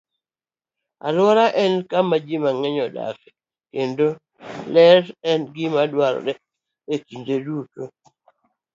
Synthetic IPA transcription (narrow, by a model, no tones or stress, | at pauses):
a̰lwɔɾaʔɛnkamad͡ʒimaŋɛɲɔda̰kɛ | kendo | lɛɾɛnɡɪmadwaɾɔ̰ɗɛ | ekindeduto